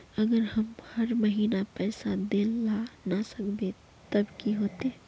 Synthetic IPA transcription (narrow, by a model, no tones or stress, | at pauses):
əɡəɾhəmhəɾməɦiːnapɛɪsad̪elːanasəkbe | t̪əbkiɦot̪e